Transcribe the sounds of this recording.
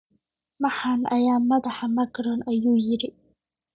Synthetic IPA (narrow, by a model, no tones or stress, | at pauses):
mɑħaːnʔɐjaːmɐðɑħamɐɡɾɔnʔɐjuːjɪɾɪ